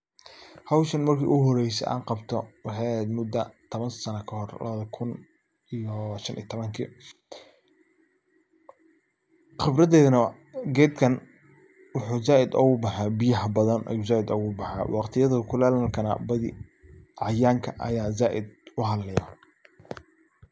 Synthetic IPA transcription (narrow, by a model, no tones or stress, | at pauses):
hɐwʃɐnmɐrkʰḭːʔʊɦɔɾɛjsɛ̰ʔa̰ːɴqɑbt̪ʰɔwɑħɑjɛd̪mʊd̪ɐt̪ʰɔβɐnsɐnɐkʰɐhɔrlɐ̰βɐðɐkʰʊn | ijɔʃɐnʔḭːɐt̪ʰɔβɐŋkʰḭː | χɪbɾɐðɛːðɐnɐ | ɡɛːd̪kʰɐn | wʊħuːzaːʔɪd̪ɔ̰ːɣʊbɑħaːbɪjɐɦbɐðɐnʔɐ̰juːzaːɪd̪ɔːɣʊbɑħa̰ːwɑqt̪ʰɪjɐðɐkʰʊlaːlɐlkʰɐnɐ̰bɐðɪ̰ʕɑjaːŋkʰɐʔɐ̰jaːzaːʔɪd̪ʊɦɐllɛjɐ̰